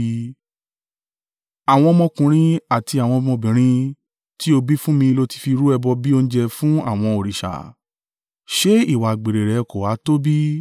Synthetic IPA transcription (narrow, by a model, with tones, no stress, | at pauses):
a˨w̃ɔ̃˧mɔ̃˧kũ˨˦ɾ̃ĩ˦a˦˨ti˧a˨w̃ɔ̃˧mɔ̃˧bĩ˨ɾ̃ĩ˦ | ti˦o˧bi˦fũ˦mĩ˧lo˧ti̥˧fi˧ɾu˦ɛ˧bɔ˧bi˦o˧ñ̩˦d͡ʒɛ˧fũ˦a̰˦˨w̃ɔ̃˧o˨ɾi˨ʃa̰˨ | ʃe˦i˦˨wa˨ɡ͡be˨ɾe˨ɾɛ˨ko˨wa˨˦to˦bi˦